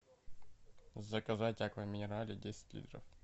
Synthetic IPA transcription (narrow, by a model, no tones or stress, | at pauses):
zɐkɐzat̚ʲakvəmʲɪnʲɪɾalʲɪdʲesʲɪ̥t̚ʲlʲḭt̪ɾə̰f